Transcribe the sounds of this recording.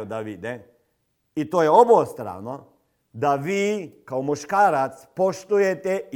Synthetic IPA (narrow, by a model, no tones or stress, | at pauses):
od̪aʋid̪e | it̪oːjeoboːst̪ɾa̰ːno | d̪aʋiːkaomuʃkaːɾat̪spoʃt̪ujet̪e